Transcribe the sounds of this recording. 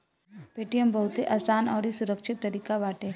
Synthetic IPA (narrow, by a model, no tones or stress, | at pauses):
peʈijəmbəɦut̪eʔɐsaːnaʋɾisuɾəkʃɪt̪ːɐɾiːkaʋaːʈe